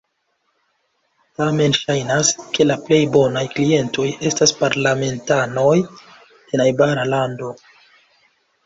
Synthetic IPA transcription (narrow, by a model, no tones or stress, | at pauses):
tame̞nʃajnaske̞laple̞jbo̞najklie̞nto̞je̞staspaɾlame̞ntano̞j̥ | enajbaɾalando̞